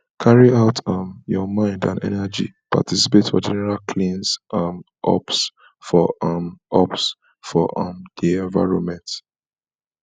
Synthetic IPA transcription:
kʰaɹiaʊtʰʌmjɔmãɪ̃ndã̰nɛ̰nɛd͡ʒḭ | pa̰tʰisi̥petfɔ̰d͡ʒɛnɛɹalkʰlĩnsʔm | ʔɔ̰ps | fɔʔʌmɔps | fɔʔʌmdiɛ̃ɱva̰ɪɹõnmɛ̃nt

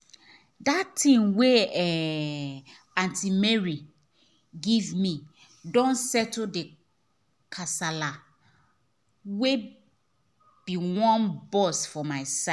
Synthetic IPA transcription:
datʰĩnweɛ | ãntimɛɹi | ɡivmi | dɔ̃nsɛtode | kʰasala | we | b̥iwɔ̃nbɔsfɔmaɪsa

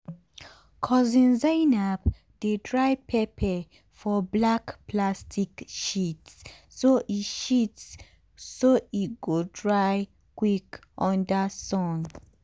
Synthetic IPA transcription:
kʰɔzĩnzanap | d̥edɹajpʰepʰɛ | fɔblakplastʰikʃitsː | oʔitʃitsː | oit̚ɡodɹaj | kwikʔɔ̃ndasɔ̃n

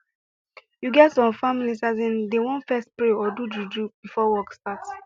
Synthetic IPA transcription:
juɡɛtsɔ̃mfamilisazĩndewɔ̃nfɛstpɹeɔdududɹub̥ifɔwɔkstat

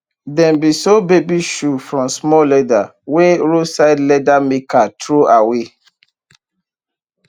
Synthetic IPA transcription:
dɛ̃mbisobebiʃufɹɔ̃msmɔlɛdaweɹosaɪdlɛdamekʰatɹoʔawe

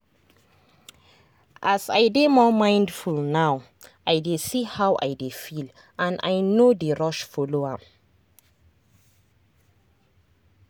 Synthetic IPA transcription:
ʔasa̰jdemɔmãɪ̃ndfulnaw | ʔajdesihawʔa̰jdefil | ãna̰jnodeɹɔʃfɔloa

